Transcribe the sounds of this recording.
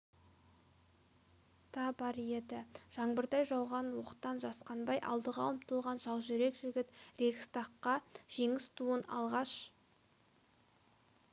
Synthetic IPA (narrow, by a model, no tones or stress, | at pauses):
t̪ʰɑbɑɾje̞d̪ɪʒ̥ɑŋbəɾt̪ɑjʒɑwʁɑnwoqə̥t̪ːɑnʒɑsqɑnbɑjʔɑ̰lˠd̪əʁɑʊmt̪əlˠʁɑnʒɑw̪ˠʒʏɾe̞kʒɪɡʲɪt̪re̞kʲst̪ɑqːɑʒ̥e̞ŋɪst̪ʰuənɑ̰lˠʁɑʃ